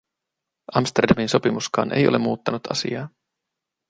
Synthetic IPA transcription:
ʔɑmst̪erdɑminso̞pimuskɑ̰ːnʔḛjolemːuːt̪ːɑnut̪ɑ̰sḭɑː

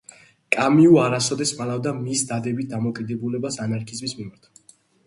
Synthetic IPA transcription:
kʼamiuaɾasɔd̪ɛsmalavd̪amisd̪ad̪ɛbit̪̚d̪amɔkʼid̪ɛbulɛbasanaɾkʰizmismimaɾt̪ʰ

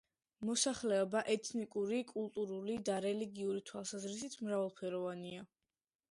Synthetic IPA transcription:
mɔsaχlɛɔbaʔɛt̪ʰnikʼuɾikʼulˠt̪ʼuɾulid̪aɾɛliɡiuɾit̪ʰwalˠsazɾis̬it̪ʰmɾavalˠpʰɛɾɔvania

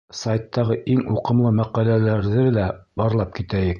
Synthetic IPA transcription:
sajt̪ːɑʁɤʔiŋuqɤ̆mlˠɤmæqælælæɾðɘlæbɑɾlˠɑp̚kit̪æjɘk̚

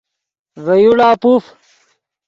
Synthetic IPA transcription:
vɐjuɽaːpuf

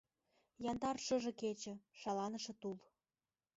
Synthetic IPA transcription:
jɑnd̪ɑrʃɤ̆ʒɤ̆ket͡ɕə̆ʃɑlɑnə̆ʃĕt̪ul

